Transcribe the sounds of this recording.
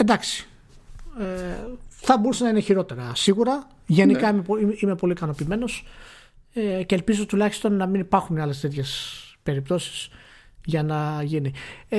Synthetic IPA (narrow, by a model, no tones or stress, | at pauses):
e̞nd̪ɐksi̥ | eθɐbo̞ɾuse̞nɐineçiɾo̞t̪e̞ɾɐsiɣuɾɐ | ʝe̞nikɐimeiime̞po̞likɐno̞piːme̞no̞s | eceːlpizo̞t̪ulɐçist̪o̞nːɐminipɐɾxuneɐle̞st̪e̞t̪çe̞spe̞ɾip̚t̪o̞si̥s | ʝɐnɐʝini